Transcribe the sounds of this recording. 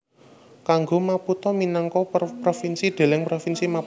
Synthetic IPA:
kaŋɡomaput̪ɔminaŋkɔprofinsid̪̥e̤lɛŋpɾofinsima

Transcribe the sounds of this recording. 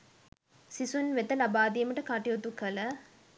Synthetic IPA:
sisunʋet̪ɐlɐbaːd̪ijɐmɐʈɐkaʈijot̪ukɐlɐ

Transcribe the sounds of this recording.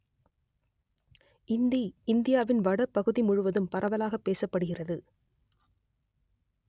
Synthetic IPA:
ʔɪnd̪iɪnd̪ɪjaːʋɪnʋɐɽɐpːɐɣɯðimʊɻʊʋɐðɯmpɐɾʔɐʋɐlaːɣɐpːeːsɐpːɐɽɯɣɪrɐðɯ

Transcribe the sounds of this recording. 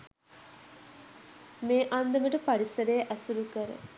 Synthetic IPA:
meːʔand̪əməʈəpaɾisəɾəjʔæsuɾukəɾə̰

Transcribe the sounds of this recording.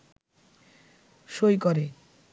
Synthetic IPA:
ʃojkɔɾe

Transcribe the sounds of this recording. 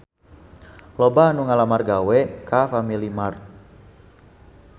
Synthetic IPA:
lobaːnuŋalamarɡawɛkafamilimar

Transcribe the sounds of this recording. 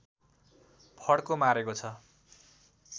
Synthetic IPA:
pʰʌɽkomaɾekot͡sʰʌ

